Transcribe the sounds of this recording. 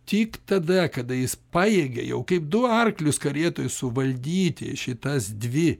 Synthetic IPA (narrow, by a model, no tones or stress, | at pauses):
t̪ʲiːkt̪ɐd̪ɐkɐd̪ɐjɪspɑːjeːɡɐjɛʊkɐɪp̚d̪ʊɐrklʲʊskɐɾʲeːt̪oːjʊssʊʋɐlʲd̪ʲiːt̪ʲɪ̰ʃʲɪt̪ɐsd̪ʲʋʲɪ